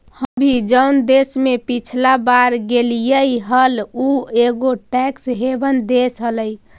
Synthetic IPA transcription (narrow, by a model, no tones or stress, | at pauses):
həbʱid͡ʒəwnd̪esmepit͡ʃʰlabaɾɡelijəiɦəlueɡoʈɛksɦebənd̪esɦələj